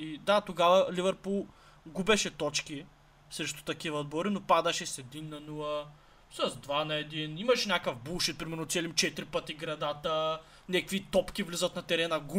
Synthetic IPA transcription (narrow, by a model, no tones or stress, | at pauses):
id̪at̪oɡavɐlivɛɾpulˠ | ɡubɛʃɛt̪ɔt͡ʃki | sɾɛʃt̪ʊ̥t̪ɐkivɐod̪bɔɾinopad̪ɐʃɛsɛd̪inːɐnulˠə | sɐzd̪vanɐɛd̪inimɐʃɛnʲakəvbulˠʃit̪̚pɾimɛɾnot̪sɛlimt͡ʃɛt̪iɾipət̪iɡɾɐd̪at̪ə | nʲɛkvit̪ɔpkʲivlizət̪nɐt̪ɛɾɛnɐɡu